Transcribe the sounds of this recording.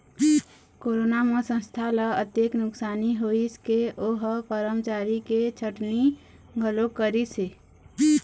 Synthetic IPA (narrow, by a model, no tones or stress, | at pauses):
koːɾoːnamẽsə̃nst̪ʰaləət̪jeknʊksaːniɦoiskeoːɦpəɾəmt͡ʃaːɾiket͡ʃʰəʈni | ɡʱəlokəɾise